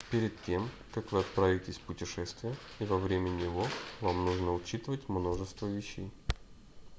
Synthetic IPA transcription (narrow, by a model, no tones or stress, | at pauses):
pʲɪɾʲɪt̪tʲe̞m | kakvɨɐt̪̚pɾavʲɪtʲɪsʲpʊtʲɪʂɛst̪vʲɪjə | ivɐvɾʲemʲənʲɪvovamnuʐnəʊt͡ɕit̪ɨvətʲmno̞ʐɨst̪vəvʲɪɕːej